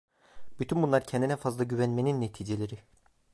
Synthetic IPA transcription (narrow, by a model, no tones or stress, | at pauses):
b̥yt̪ʰynbunlˠaɾcʰɛnd̪inɛfazlˠaɟyvænmeninːet̪ʰiːd͡ʒelʲeɾi